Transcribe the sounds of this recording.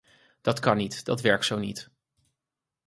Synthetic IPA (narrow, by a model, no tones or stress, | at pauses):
d̥ɑtkɑnitd̥ɑ̰tʋɛɹk̚tsownḭt